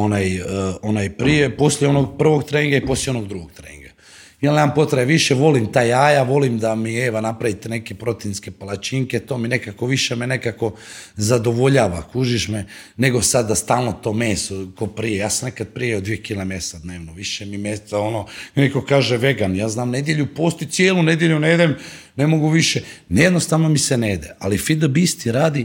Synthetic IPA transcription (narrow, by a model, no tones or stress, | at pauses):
onaːjonaːjpɾijepo̞sʎʲjeo̞noɡpr̩ʋo̞ɡt̪ɾeŋɡaipo̞slʲjeo̞noɡd̪ɾuɡoɡ̚t̪ɾeiŋɡa | jelnemampo̞t̪ɾaeʋiʃeʋo̞limt̪aːjaːjaʋo̞limd̪amieːʋanapɾaʋit̪eneke̞pɾo̞t̪inske̞palat͡ʃiŋket̪o̞ːmine̞kako̞ʋiʃemene̞kako̞zad̪o̞ʋo̞ʎaːʋakuʒiʃme | ne̞ɡo̞sad̪ːast̪aːlˠno̞t̪o̞ːmeːsokopɾijejaːsamnekad̪̚pɾijeod̪ʋijekilamjesad̪neːʋnoʋiʃemimjest̪sao̞nonekokaːʒeʋe̞ɡanjaːznaːmne̞d̪jeʎupoːst̪ot̪sjeːlune̞d̪je̞ʎuned̪em | ne̞mo̞ɡuʋiʃenjed̪nost̪aʋno̞miseneːd̪eʔalifid̪obist̪iɾaːd̪i